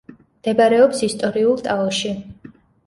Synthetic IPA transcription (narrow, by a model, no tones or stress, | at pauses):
md̪̥ɛbaɾɛɔpsist̪ʼɔɾiulˠt̪ʼaɔʃi